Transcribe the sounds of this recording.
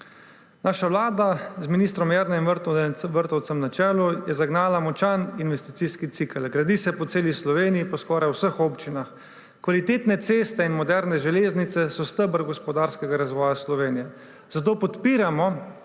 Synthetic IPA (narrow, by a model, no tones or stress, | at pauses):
naːʃaʋlaːd̪azminist̪ɾɔmjɛɾnɛiməɾt̪ʋəɾt̪ɔw̪sɛmnat͡ʃɛːlujɛzaɡnaːlamɔt͡ʃaninʋɛst̪i̥t̪siːskit̪sikəlɡɾad̪isɛpɔt̪seːlislɔʋeːnijipɔskɔːɾajwsəxoːpt͡ʃinax | kʋalit̪eːt̪nɛt̪seːst̪ɛinmɔd̪ɛɾnɛʒɛleːznit̪sɛsɔst̪əbəɾɡɔspɔd̪aɾskɛɡaɾazʋɔːjaslɔʋeːnijɛ | z̥at̪oːpɔt̪piːɾamɔ